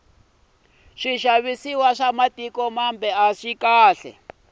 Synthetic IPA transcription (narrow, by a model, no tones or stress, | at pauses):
ʂiʃaβisiwaʂamatʼikɔmambɛaʂikaːɬɛ̰